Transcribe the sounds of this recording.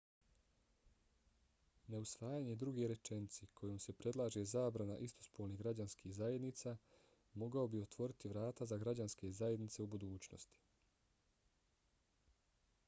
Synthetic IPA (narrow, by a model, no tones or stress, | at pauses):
ne̞usʋaːjaɲe̞d̪ɾuɡe̞ɾe̞t͡ʃe̞nit̪sekʰo̞joːmse̞pɾe̞d̪lˠaːʒe̞zaːbɾanaʔist̪ʰo̞̥spolniɣɡɾad͡ʑanskihzaje̞d̪nit̪saː | mo̞ɡaobio̞t̪ʋo̞ɾit̪iʋɾaːt̪azaɡɾad͡ʑanske̞zaje̞d̪nit̪se̞ubud̪uːt͡ɕno̰st̪i̥